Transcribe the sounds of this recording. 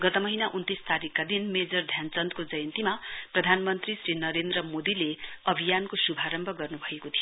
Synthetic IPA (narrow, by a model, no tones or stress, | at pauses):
ɡʌt̪ʌmʌɦinaʔunt̪ist̪aɾikːad̪inmed͡zʌrd̪ʱjant͡sʌnt̪kod͡zʌjʌnt̪imaprʌd̪ʱanmʌnt̪risrinʌɾend̪rʌmod̪ileʌbʱijankosubʱaɾʌmbʱʌɡʌrnubʱʌekot̪ʰij